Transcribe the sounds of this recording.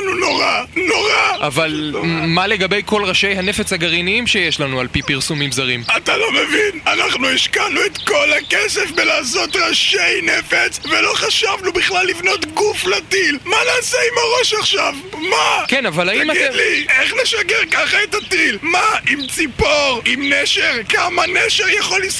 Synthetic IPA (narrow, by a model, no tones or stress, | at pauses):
nunoʁano̞ʁaʔavalmale̞ɡabe̞jko̞lʁaʃe̞jɦane̞fe̞t͡shaɡaʁiniimʃejeʃlanualpipiʁsumimzaʁimat̪alo̞mevinanaχnuiʃkanuet̪kolhakesefbelaːso̞t̪ʁaʃejne̞fet͡svelo̞χaʃavnubiχlalːivno̞t̪ɡuflat̪ilmanaːseimaʁo̞ʃaχʃavmakenavalaimalieχneʃaɡeʁkaχaetatilmaimt͡sipo̞ʁimneʃeʁkamaneʃeʁjaχolis